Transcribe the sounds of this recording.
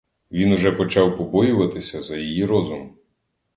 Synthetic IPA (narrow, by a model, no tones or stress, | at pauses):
ʋʲinʊʒɛpɔt͡ʃɑwpɔbɔjʊʋɐt̪ɪsʲɐzɐjijiɾɔzʊm